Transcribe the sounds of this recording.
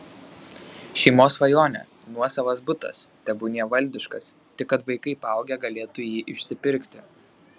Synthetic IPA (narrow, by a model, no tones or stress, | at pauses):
ʃʲɛɪmoːsʋɐjoːnʲɛ̰ | nuɔsɐʋɐsbʊt̪ɐ̰st̪ʲɛbʊnʲiɛʋɐlʲd̪ʲɪʃkɐs | t̪ʲɪkːɐt̪ʋɐɪkɐɪpɑˑʊɡʲɛɡɐlʲeːt̪ʊjiːʔɪʃʲsʲɪpʲɪɾʲkt̪ʲɪ